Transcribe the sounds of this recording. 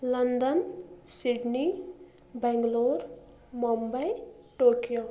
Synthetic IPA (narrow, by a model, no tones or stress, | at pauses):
lɐnd̪ənsiɖni | bɛŋɡloɾ | mombəjʈokijo